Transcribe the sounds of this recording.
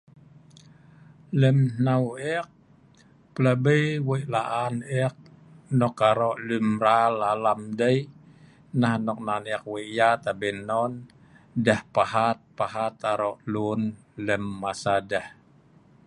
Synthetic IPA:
ləmnawɛk̚ | pəlabəjwəʔlaʔanɛk̚ | nɔkaɾɔʔlumɾalalamdəi | nahnɔk̚nanɛk̚wəʔjat̪abənɔn | dahpaɦat̪̚pahat̪aɾɔʔlun | ləmːasadah

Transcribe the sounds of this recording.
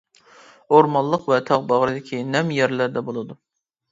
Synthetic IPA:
oɾmɑllˠːəqvɛt̪ʰɑʁbɑʁɾɨd̪ɪkʲʰinɛmjɛɾlæɾd̪ɛbolˠɨd̪u

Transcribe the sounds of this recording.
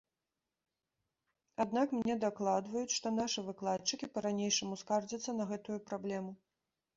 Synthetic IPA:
ad̪nakmnʲɛd̪aklˠad̪vɐjut͡sʲʂt̪ɔnaʂɨvɨklˠat͡ʂɨkʲipɐɾanʲejʂɐmuskard͡zʲɐt̪sːɐnɐɣɛt̪ujupɾablʲɛmu

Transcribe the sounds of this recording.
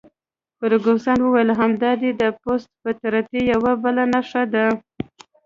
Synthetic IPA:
kəɾɡosɑnwəwajəlɦamd̪ɑd̪ed̪əpost̪̚pət̪aɾat̪ejawabəlanaʂad̪a

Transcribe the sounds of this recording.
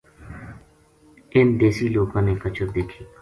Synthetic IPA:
ɪnd̪eːsiːloːɡõːneːkət͡ʃəɾd̪eːkʰiː

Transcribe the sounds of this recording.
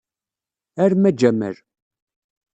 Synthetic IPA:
æɾmæd͡ʒæmə̰ɾ

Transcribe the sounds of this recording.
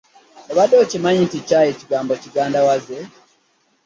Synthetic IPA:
oβadːoːcimaɲinticaːjeciɡaːmbociɡaːndawaze

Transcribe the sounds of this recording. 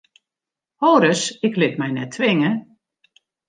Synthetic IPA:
hoːɾəsɪklɪt̚mɛjnɛtʰʋɪŋə

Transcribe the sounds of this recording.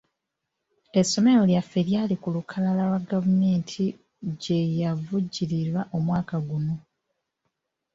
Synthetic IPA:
e̞sːo̞me̞ɾo̞ljafːeɾjalikulukʰalalalwaɡavume̞ːntʰi | ɟe̞javuɟːiɾiɾwaʔo̞mwaːkaɡuno̞

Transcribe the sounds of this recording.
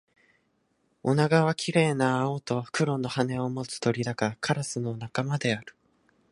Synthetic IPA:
o̞naɡaβakʲiɾe̞ːnaːot̪o̞kɯ̟ɾo̞nːo̞hane̞o̞mo̞t͡sɨ̥t̪o̞ɾʲid̪akakʰaɾasɨno̞nakamad̪e̞aɾɯ̟̥

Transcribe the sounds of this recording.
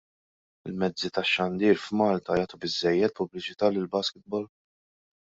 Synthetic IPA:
ɪlmɛd͡zːit̪ɐʃːɐnd̪iːɾfmɐːlt̪ɐjɐːt̪ubɪzːɛjːɛt̪̚pʊblɪt͡ʃɪt̪ɐːlɪlbɐskɪt̪̚bɔl

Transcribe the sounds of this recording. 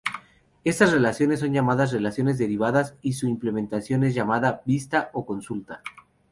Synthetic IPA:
e̞st̪asre̞lasjo̞nes̬ːo̞nʝamaðasre̞lasjo̞ne̞zðe̞ɾiβ̞aðasisuimple̞ment̪asjone̞zʝamaðabist̪aʔoko̞nsult̪a

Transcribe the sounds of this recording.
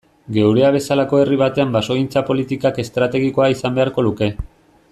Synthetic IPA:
ɡe̞wɾe̞aβ̞e̞salako̞e̞riβ̞at̪e̞ambaso̞int͡sapo̞lit̪ikake̞st̪ɾat̪e̞ɣ̞iko̞aisambe̞aɾko̞luke̞

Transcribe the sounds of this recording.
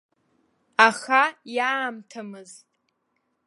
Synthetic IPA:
aχajaːmtʰamɨztʼ

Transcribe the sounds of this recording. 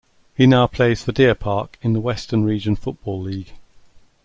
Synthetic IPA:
hinaʊpʰl̥eɪz̥fədɪəpʰɑˑkɪ̃nðəwɛstənɹiːd͡ʒə̃nfʊʔb̥ɔːlːiːɡ̥

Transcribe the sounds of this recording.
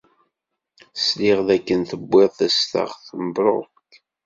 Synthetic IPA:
sliʁðækːənθəbːeðˤθæst̪ə̰ʁθəməbɾˤo̰ | k

